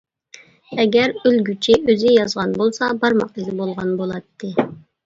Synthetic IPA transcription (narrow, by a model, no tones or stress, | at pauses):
ɛɡʲɛɾylɡʲyt͡ʃʰiøzɪjɑzʁɑnbolˠsɑbɑɾmɑq̪̚ɨzɪbolˠʁɑnbolˠɑt̪ʰːɨ